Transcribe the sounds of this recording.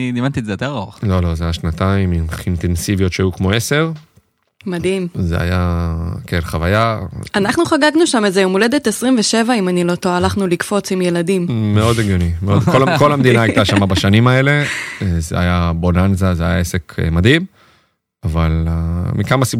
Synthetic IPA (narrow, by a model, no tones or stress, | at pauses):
dimant̪izejot̪eʁaolo̞lo̞zeajaʃnat̪aimiint̪ensivijo̞t̪ʃeajukmo̞e̞se̞ʁ | mad̪imzea̰jakelχavajaanaχnuχaɡaɡnuʃamezeumole̞d̪et̪esʁimveʃe̞vaimanilo̞t̪oalaχnulikfo̞t͡simje̞lad̪immeo̞d̪eɡjonimeod̪koko̞lamd̪inaajt̪aʃamabaʃanimae̞le̞zeajabonanzazeajaesekʰmad̪him | avalmikamasi